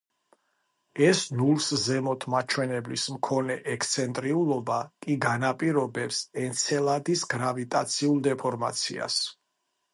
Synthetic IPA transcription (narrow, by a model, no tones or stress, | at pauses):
ɛsnulˠszɛmɔt̪ʰmat͡ʃʰwɛnɛblismkʰɔnɛʔɛkst̪sʰɛnt̪ʼɾiulˠɔbakʼiɡanapʼiɾɔbɛpsɛnt̪sʰɛlˠad̪isɡɾavit̪ʼat̪sʰiulˠd̪ɛpʰɔɾma̰t̪sʰḭa̰s